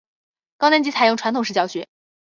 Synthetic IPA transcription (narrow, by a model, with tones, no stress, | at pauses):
kɑ˥ʊa˥nt͡ɕi˧˥t͡sʰɪjʊ˥˩ŋʈ͡ʂʰwa˧˥nt̪ʰŋʂ̩˥˧t͡ɕjɑ˥˩ʊɕɥɛ˧˥